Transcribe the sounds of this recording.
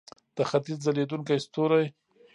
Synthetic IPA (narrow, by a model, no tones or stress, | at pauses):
d̪̥əxat̪izzaled̪uŋkajst̪oɾaj